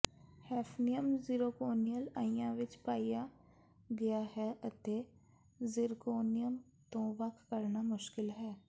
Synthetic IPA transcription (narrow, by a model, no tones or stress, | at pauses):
hɛːfʰnijəmziɾoːkoːnijəlaːjãʋɪt͡ʃpaːija | ɡɐjaɦɛʔɐt̪e | zɪɾkoːnijəm | t̪õːʋakkɐɾnamʊʃkɪlɦɛː